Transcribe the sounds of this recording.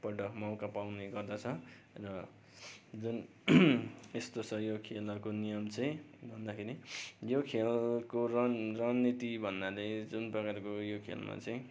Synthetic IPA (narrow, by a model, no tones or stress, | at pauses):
pʌʈʌkmawkapawneɡʌrd̪at͡sʰʌ | rʌ | d͡zun | est̪osʰʌjokʰelʌkonijʌmt͡sʌ̃ĩbʱʌnd̪akʰeɾijokʰelkorrʌnːit̪ibʱʌnd̪aled͡zunprʌkaɾkojokʰḛlmʔa̰t͡sʌĩ